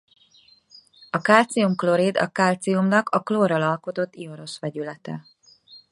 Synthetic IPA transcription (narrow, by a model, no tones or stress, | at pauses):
ɒkaːlt̪siumklo̞ɾeːd̪ɒ̰kaːlt̪siumnɒkʰɒkloːrɒlɒlko̞t̪o̞t̪ːio̞ɾo̞ʃʋɛɟylɛt̪ɛ̰